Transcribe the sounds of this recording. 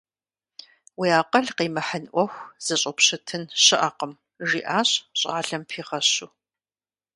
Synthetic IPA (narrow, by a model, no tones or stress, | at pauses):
wiaːqɐɮqiːmɐħənʔʷɔxʷz̥ɐɕʼɐpɕɐtʰɨnɕɪʔɐqəm | ʒiːʔaːɕɕʼa̰ːɮɐmpʰiːʁɐɕuː